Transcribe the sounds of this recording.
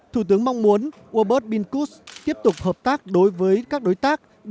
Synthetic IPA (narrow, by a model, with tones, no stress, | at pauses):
t̪ʰu˧˩t̪ɨ˨˦əŋma˧wŋ͡mmu˨˦ənʔu˧ə˧ɓəː˦˥t̚ɓi˧nku˦˥st̪i˦˥əp̚t̪ʊ˨˩k͡p̚həː˨˩p̚t̪aː˦˥k̚ɗo˨˦jvəː˨˦jkaː˦˥k̚ɗo˨˦jt̪aː˦˥k̚